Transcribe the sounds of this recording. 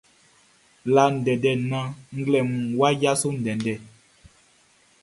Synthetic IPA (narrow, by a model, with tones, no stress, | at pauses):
la˨n̩˨dɛ˨dɛ˨nã˦ŋ̩˦ɡlɛ˨mũ˨wa˦ja˦so˦n̩˨dɛ˨ndɛ˨